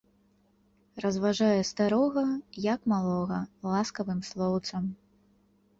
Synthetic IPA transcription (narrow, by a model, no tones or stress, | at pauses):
rɐzvaʐajɛst̪aɾɔɣɐjɐkmalˠɔɣɐlˠaskɐvɨmslˠɔwt̪sɐm